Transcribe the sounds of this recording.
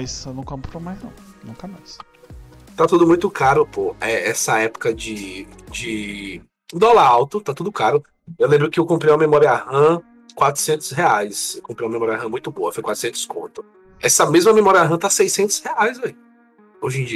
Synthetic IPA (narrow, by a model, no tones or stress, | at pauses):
jsnũkõpɾomajznɐ̰̃w̃nũkɐmajs | t̪at̪ud̪ʊmũj̃t̪ʊkaɾʊpoɛɛsɐɛpʊ̥kɐd͡ʒɪ | d͡ʒɪ | d̪ɔlɐɾawt̪ʊt̪at̪ud̪ʊkaɾʊ | ewlẽbɾʊkɪewkõmpɾeũm̃ɐmemɔɾiɐahɐ̃ | kwat̪ɾʊ̥sẽnt̪ʊ̥sɦeajsewkõpɾiw̃ũmɐmemɔɾiaɦɐ̃mũj̃t̪ʊboɐfojkwat̪ɾʊ̥sẽnt̪ʊ̥skõ̰t̪ʊ̥ | ɛsɐmezmɐmemɔɾiɐaɦɐ̃t̪asejsẽnt̪ʊ̥sheajzai | oʒẽd͡ʒi